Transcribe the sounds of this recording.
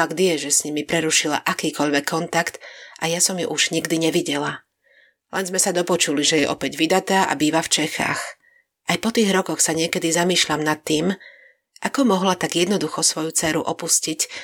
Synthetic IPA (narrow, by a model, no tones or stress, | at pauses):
faɡd̪ɪjɛʒɛsɲimipɾɛɾuʃila̰ʔakiːkɔʎʋɛkʰːɔnt̪akt̪ʔajasɔmjṵʔuʒ̥ɲiɡd̪iɲɛʋiɟɛla | lɛnzmɛsad̪ɔpɔt͡ʃuliʒɛjɛʔɔpɛɟʋid̪at̪aːʔa̰biːʋaft͡ʃɛxa̰ːx | ʔajpɔt̪iːɣɾɔkɔxsaɲɪɛkɛd̪izamiːʃʎamnat̪ːiːm | ʔakɔmɔɦlat̪aɡjɛd̪nɔd̪uxɔsʋɔjut͡sɛːɾṵʔɔpuscic